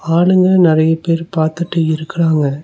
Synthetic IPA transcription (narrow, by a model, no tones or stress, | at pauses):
aːɭɯŋɡɐnɪrɐjɐpeːɾpaːɾt̪ɯʈːɯɪɾɯkːɐraːŋɡɐ